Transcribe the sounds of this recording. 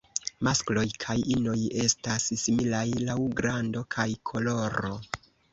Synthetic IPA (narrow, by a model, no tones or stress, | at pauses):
masklo̞jkʰajino̞je̞stassimilajlawɡɾando̞kʰajkʰo̞lo̞ɾo̞